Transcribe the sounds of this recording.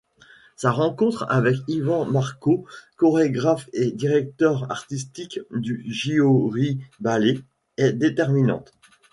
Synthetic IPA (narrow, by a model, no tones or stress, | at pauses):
saʁɑ̃kɔ̃t̪χa̰vɛkivɑ̃maʁkokɔʁeɡʁafed̪iʁɛk̚t̪œʁa̰ʁt̪is̬t̪ikd̪yʒioʁibale | ɛd̪et̪ɛʁminɑ̰̃t̪